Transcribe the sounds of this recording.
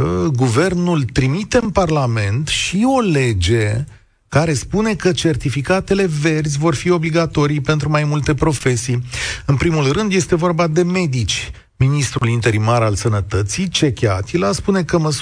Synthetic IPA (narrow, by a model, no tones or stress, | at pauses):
əɡuve̞rnult̪ɾimit̪e̞ɨnparlame̞nt̪ʃio̞le̞d͡ʒe̞ | kaɾe̞spune̞kət͡ʃe̞rt̪ifikat̪e̞le̞ve̞rzʲvo̞rfio̞bliɡat̪o̞ɾijpe̞nt̪ɾumajmult̪e̞pɾo̞fe̞sijɨnpɾimulrɨnd̪je̞st̪e̞vo̞rbad̪e̞me̞d̪it͡ʃʲ | minist̪ɾulint̪e̞ɾimaɾalsənət̪ət̪sit͡ʃe̞kʲeat̪ilaspune̞kəməs